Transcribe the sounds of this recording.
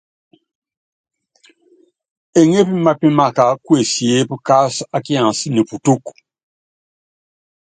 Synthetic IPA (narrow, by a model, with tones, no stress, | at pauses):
e˨ŋe˦pi˦ma˨pi˦ma˨ka˨kwe˨si˨e˦pə˦ka˦sa˦ki˦ã˨si˦ni˨pu˨tu˦k